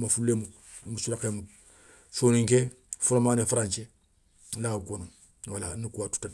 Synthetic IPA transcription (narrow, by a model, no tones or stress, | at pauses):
mafululemu | musulakemu | soːniŋke | foɾomaːnefaɾãɲt͡ʃe | lakono | walanikuwatu̥ta